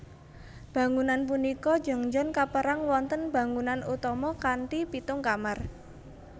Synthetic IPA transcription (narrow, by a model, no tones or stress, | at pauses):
b̥ä̤ŋunanp̬unikɔ̥d͡ʒɔ̤ŋd͡ʒɔnkapəɾaŋwɔnt̪ənb̥a̤ŋunanut̪ɔmɔkanʈipit̪ʊŋkamar